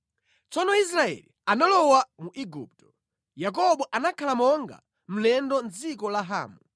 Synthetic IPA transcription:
t͡sɔnɔis̬ɾaɛ̰lianalɔwamuʔiɡṵp̚tɔ̥ | jak̬ɔɓɔʔanakʰalamɔŋɡa̰ | m̩lɛndɔnd͡zikɔlaɦa̰ːmu

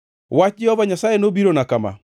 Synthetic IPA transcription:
wat͡ʃiɔβaɲasaenobiɾonakama̰

